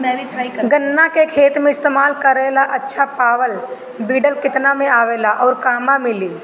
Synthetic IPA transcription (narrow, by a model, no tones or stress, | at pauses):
mɛbit̪ɾaikɡənːakekʰeːt̪mẽɪst̪eːmaːlkəɾeːlaʔɐtːʃʰapaːʋəl | biːɖəlkɪt̪namẽaːʋeːlaʔɔːɾkaːmãmɪliː